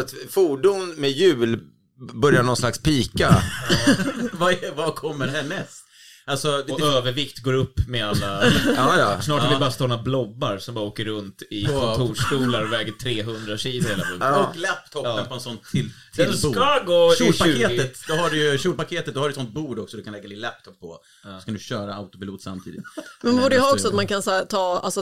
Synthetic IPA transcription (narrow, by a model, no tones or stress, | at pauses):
at̪fuːɖʊnmɛjʉ̟ːl | bœɾjaɳɔnslakspiːka | vavakʰɔmːəɾhɛnːɛs | ʔalsɔɔøːvəɾvɪkt̪ɡoːɾɵpːmɛalːa | snɑːʈhaɾvɪbɑːɾast̪ɔːɾnablɔbːaɾsɔmbɑːɾoːkəɾːɵnt̪ɪkʰɔnt̪ʰuːʂkuːlaɾɔvɛːɡət̪ʰɾeːɦɵnd̪ɾaɕiːlʊɾheːlabɔːɔklɛpt̪ʰɔp̪ːpʰɔɛnsɔnʰɪ | ɛd̪skaɡoːupaʉːeːtɡ̪ət̪d̪ɔɦaɖʏjʃuːlpakʰeːt̪ət̪d̪ɔhaɖɛɪsɔnt̪̚buːɖɔksɔd̪ɵkʰanlɛɡːad̪ɪlɛp̚t̪ʰɔpʰːɔ̰ | ɔskand̪ʉɕœːɾaaʊt̪ʊpɪluːt̪sa̰mt̪ʰḭd̪ɪ̰t̪mɛnbuːɖəjəɦɑːɔksɔat̪mankʰansaːt̪ʰɑːa̰lsɔ